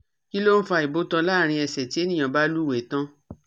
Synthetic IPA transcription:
ki˦lo˦n̩˦fa˧˨i˨bo˦tã˧˦laː˦˨ɾ̃ĩ˧ɛ˨sɛ˨ti˦e˦nĩ˦˨ã˨ba˦lu˦˨we˨˦tã˦

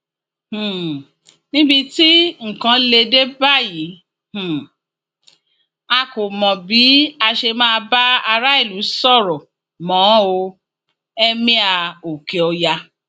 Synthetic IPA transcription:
h̩˨ | nĩ˦bi˧ti˦ŋ̩˨kã˧˦le˧de˦ba˦˨ji˨˦ | h̩˨ | a˧ko˨mɔ̃˨bi˨˦a˧ʃe˧mãː˦˧ba˦a˧ɾa˦i˦˨lu˨˦sɔ˦˨ɾɔ˨ | mɔ̃˨˦o˧ | ɛ˦mĩ˦a˧o˨ke˨ɔ˧ja˧

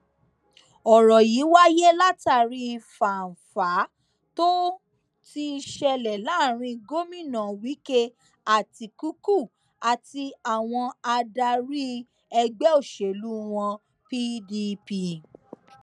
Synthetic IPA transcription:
ɔ˨ɾɔ˨ji˨˦wa˦je˦la˦ta˦˨ɾi˦˧fa˨n̩˨fa˨˦ | to˦ | ti˧ʃɛ˧lɛ˨la˨˦˨ɾ̃ĩ˧ɡo˦mĩ˦˨nã˨wi˨˦ke˦ | a˨ti˧ku˦ku˦˨ | a˨ti˧a˨w̃ɔ̃˧a˧da˧ɾi˦ | ɛ˧ɡ͡bɛ˦o˦˨ʃe˨lu˦w̃ɔ̃˧ | pi˦di˧pi˧

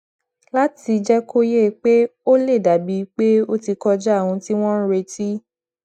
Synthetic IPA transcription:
la˦ti˧d͡ʒɛ˦kʰo˦je˦˨k͡pe˦o˦le˦˨da˨bi˧˦k͡pe˦o˦ti˧kɔ˧d͡ʒɛ˦a˦˨w̃ũ˧ti˦w̃ɔ̃˦n̩˦ɾe˧ti˦

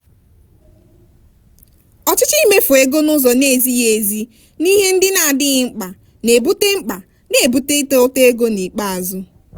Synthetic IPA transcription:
ɔ˨t͡ʃɪ˦t͡ʃi˦me˦fʊ˨e˦ɡo˦nʊ˦zɔ˨ne˨zi˦je˨zi˦ | ni˦ɦe˦n̩˦dɪ˦na˨dɪ˦ɣɪ˦ŋ͡m̩˦k͡pa˨ | ne˨bu˦te˦ŋ͡m̩˦k͡pa˨ | ne˨bu˦te˦i˦to˦o˦te˦e˦ɡo˦ni˨k͡pa˦a˨zʊ˦

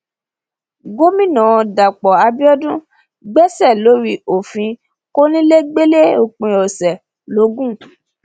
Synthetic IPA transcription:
ɡo˦mĩ˦nã˨˧da˨k͡pɔ˨a˧bi˦ɔ˦dũ˦ | ɡ͡bɛ˦sɛ˦˨lo˨˦ɾi˧˦o˨fĩ˧ | ko˦nĩ˦le˦ɡ͡be˦le˦o˨k͡pĩ˨ɔ˨sɛ˨ | lo˨˦ɡũ˦˨

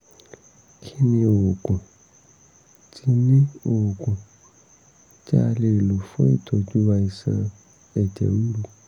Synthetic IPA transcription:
kʰi˧nĩ˧o˨o˨ɡũ˨ | tʰi˧˦nĩ˦o˨wo˨ɡũ˨ | d͡ʒa˦a˧le˨lu˨fõ̰˦ḭ˦˨tʰo˨˧d͡ʒu˦wa˧i˨sã˧ | ɛ˨d͡ʒɛ̰˨wu˦ɾu˧

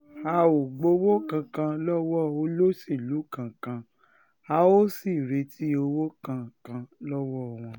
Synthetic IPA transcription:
a˧o˨ɡ͡bo˧wo˦kã˧kã˧lɔ˦wɔ˦˨o˧˦lo˦si˦˨lu˨˦kã˨kã˧ | a˧o˦si˦˨ɾe˧˦tʰi˦o˧wo˦kã˧kã˧lɔ˦wɔ˦˨w̃ɔ̃˧

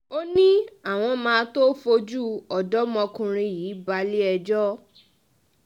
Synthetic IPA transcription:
o˦nĩ˦a˦˨w̃ɔ̃˧mãː˧to˦fo˧d͡ʒu˦ɔ˨dɔ˦mɔ̃˧kũ˧ɾ̃ĩ˧jiː˨˦ba˧li˦ɛ˧d͡ʒɔ˦

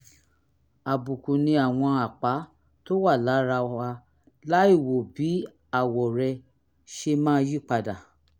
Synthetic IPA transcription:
a˨bu˨kũ˨nĩ˧a˨w̃ɔ̃˧a˨k͡pa˨˦ | to˦wa˦˨la˨˦ɾa˧a˧ | la˨˦i˦˨wo˨bi˨˦ | a˦˨wɔ˨ɾɛ˧ | ʃe˧mãː˦˧˦ji˦˨k͡pa˧da˨

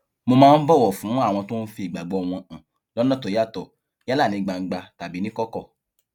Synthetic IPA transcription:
mo˧mãː˦n̩˦bɔ˦˨wɔ˨fũ˨˦a˦˨w̃ɔ̃˧to˦n̩˦fi˧i˨ɡ͡ba˨ɡ͡bɔ˨˧ɔ˨w̃ɔ̃˧ã˨ | lɔ˦nã˦˨tɔ˨ja˦˨tɔ˨ | ja˦la˦˨nĩ˨˧˦ɡ͡ba˨ŋ̩˦ɡ͡ba˧ta˨bi˨˦nĩ˦kɔ˦kɔ˦˨

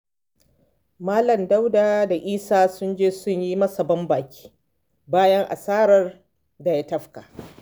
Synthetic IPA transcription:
maː˦lɐ˨mda˦wdaː˨da˨ʔiː˦saː˦sʊ˦nd͡ʒeː˦sʊ˦ɲji˦mɐ˦sɐ˨bɐ˦mbaː˨kʲi̥ː˦ | baː˦jɐ˦ŋʔa̰˨saː˦ɾɐ˦r | da˨ja˦tɐ˦ɸka˨

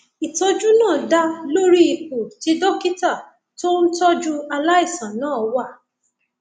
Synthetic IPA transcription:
i˨tɔ˧d͡ʒu˦nãː˦˨da˦lo˦ɾi˦i˨ko˨ti˧˦dɔ˦ki˦ta˦˨ | to˦n̩˦tɔ˦d͡ʒu˦a˧la˦i˦˨sã˨nãː˦˨˦wa˦˨

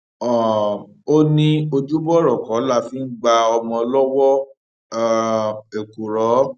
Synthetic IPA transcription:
ɔ˨ | o˦nĩ˦o˧d͡ʒu˦bɔ˦ɾɔ˨kɔ̃˨˦la˦˨fi˨˦ɡ͡ba˧ɔ˧mɔ̃˧lɔ˦wɔ˦˧˨ | e˨ku˨ɾɔ˨˦

